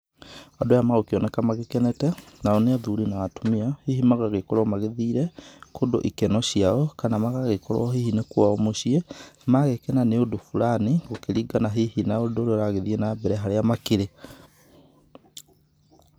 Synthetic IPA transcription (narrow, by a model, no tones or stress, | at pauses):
adojamaɣokeɔnɛkamaɣekɛnɛtɛnaɔneaðuɾinaatomiahiɦimaɣaɣekɔɾwɔmaɣeðiːɾɛkʰodo̰ʔikɛnɔɕiaɔkanamaɣaɣekɔɾɔ̰ɔɦihinekwaɔmoʃiemaɣekɛnaneodofulaniɣokeɾiɡanaɦihinaodoɾeɾaɣeðienabɛɾɛɦaɾeamakeɾe